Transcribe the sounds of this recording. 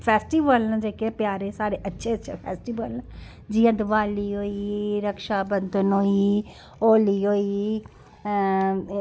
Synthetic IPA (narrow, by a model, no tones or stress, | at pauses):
pʰɛːsʈiːʋəlnːd͡ʒeːkeːpɪjaːɾeːsaːɽeːʔətːʃʰeːətːʃʰḛːpʰɛ̰ːsʈiːʋəlnː | d͡ʒiːãːd̪ɪʋaːliːɦoːiːɾəkʃaːbənd̪ənɦoːiː | oːliːɦoːiː